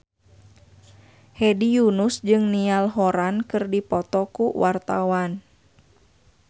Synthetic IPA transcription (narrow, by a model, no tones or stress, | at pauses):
hɛdijunusd͡ʒɨŋnialɦɔɾankɨrdipɔt̪ɔkuwart̪awan